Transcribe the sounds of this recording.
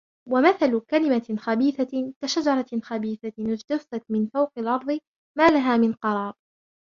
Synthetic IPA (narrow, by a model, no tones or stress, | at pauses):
wamaθalkalɪmaxabiːθakaʃad͡ʒɑɾˤɑxabiːθaɪd͡ʒt̪afat̪mɪnfawqɑlʔɑɾˤðˤɨ | maːlaɦaːmɪnqɑɾˤɑːɾˤ